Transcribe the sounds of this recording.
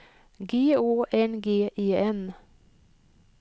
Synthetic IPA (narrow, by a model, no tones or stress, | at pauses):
ɡeːoːʔɛnɡeːʔeːɛn